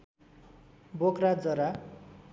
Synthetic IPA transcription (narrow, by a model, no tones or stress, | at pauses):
bokrad͡zʌɾa